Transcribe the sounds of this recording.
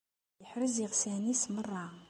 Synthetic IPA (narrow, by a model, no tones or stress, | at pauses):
jəħɾəziʁsænismərˤːɑ